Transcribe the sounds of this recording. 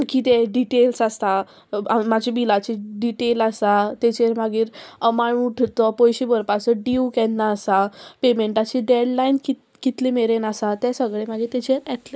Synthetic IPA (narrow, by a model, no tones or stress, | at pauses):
kit̪eɖiʈelsast̪a | amad͡ʑʱibilat͡ɕiɖiʈelasat̪et͡ɕeɾmaɡiːɾəmaɳuʈʰt̪ɔpɔjɕibəɾpasəɖiukɛnːaːsapemeɳʈat͡ɕiɖeɽlainki | kit̪limeɾenasat̪ɛsəɡɭemaɡiːɾt̪ɛt͡ɕeɾɛt̪le